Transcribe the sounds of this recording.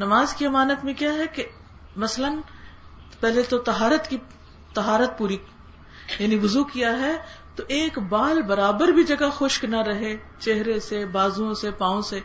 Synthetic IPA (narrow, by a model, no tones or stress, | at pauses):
nɐmaːzkiɐmaːnət̪mẽkjaɦɛke | mɐslən | pɛɦlet̪ot̪ɐɦaːɾət̪ki | t̪ɐɦaːɾət̪̚puːɾi | jaːniʋʊzukijaɦɛ | t̪oʔeːkbaːlbɐɾaːbəɾbʱid͡ʒɐɡaxoːʃknaɾɐɦe | t͡ʃeɦɾesebaːzuõsepãːõse